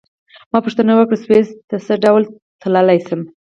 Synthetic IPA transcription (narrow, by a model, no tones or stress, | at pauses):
mɑpuʂt̪ənawəkɽəswest̪əsəɖawl | t̪ʰlalajsəm